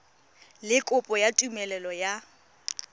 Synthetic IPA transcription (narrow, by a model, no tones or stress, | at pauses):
lɪkʼʊpʼɔjatʼumɛlɛlɔja